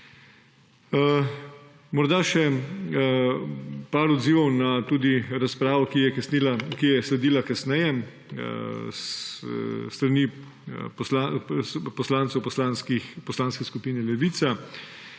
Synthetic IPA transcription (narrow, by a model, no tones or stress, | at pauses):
mɔɾd̪aʃɛ | paːɾɔd̪ziːʋɔwnat̪uːd̪iɾaspɾaːʋɔkijɛkasnilakijɛslɛd̪iːlakasnɛjɛ | s | st̪ɾani | plapɔslaːnt̪sɔwpɔslanskixpɔslaːnskɛskupiːnɛlɛʋit̪sa